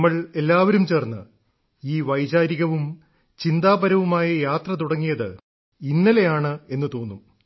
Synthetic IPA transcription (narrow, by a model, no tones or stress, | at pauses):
mːɐɭe̞lːaːʋɐɾumt͡ɕe̞ːrnːɨ | iːʋɐjd͡ʑaːɾiɣɐʋum | t͡ɕind̪aːbɐɾɐʋumaːjɐjaːt̪rɐt̪̬uɽɐŋːijɐðɨ | inːɐlejaːɳɨe̞nːɨt̪o̞ːnːu